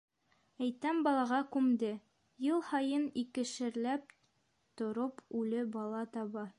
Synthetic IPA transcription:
æjt̪æmbɒlˠɑʁɑkʉmd̪ɘ | jɤlˠhɒjɤnikɘ̆ʃɘ̆ɾlæp̚ | t̪ŏɾopʰʉlɘbɒlˠɑt̪ɒβɑ

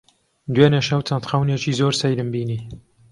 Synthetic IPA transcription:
d̪weneʃɐwt͡sɐnt̪xɐwnet͡ʃiːzoːɾsɛjɾɨmbiːniː

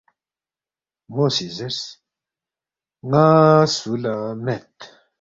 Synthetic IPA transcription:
mosizɛs | ŋasulamɛt̪

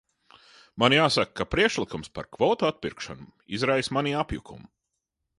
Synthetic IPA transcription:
manjaːsakkːapɾiɛkʃlˠikumspa̰ɾkvɔt̪at̪̚piɾkʃa̰nuizɾajsmaniapjukʰṵmu

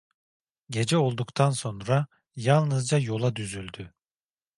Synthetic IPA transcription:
ɟe̞d͡ʒɛo̞lˠd̪ukt̪ʰanso̞nɾa | jalˠnɯzd͡ʒajo̞lˠad̪yzylʲd̪y

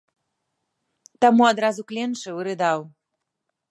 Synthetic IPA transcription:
t̪amuad̪ɾazuklʲenʂɨɨɾɨd̪ɑw

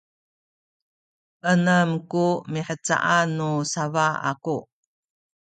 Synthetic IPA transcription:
ʔənəmkumiħət͡sa̰ʔanːusavaa̰ku

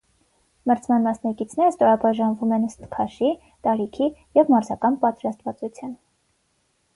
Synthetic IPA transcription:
məɾt͡sʰmɑnmɑsnɑkit͡sʰn̪ɛɾəst̪ɔɾɑbɑʒɑnvumɛnəst̪kʰɑʃi | t̪ɑɾikʰijɛvmɑɾzɑkɑnpɑt̪ɾɑst̪vɑt͡sut͡sʰjɑn

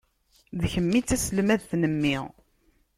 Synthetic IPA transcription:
ðçəmːit͡sːæsəlmæðθnəmːiʁ

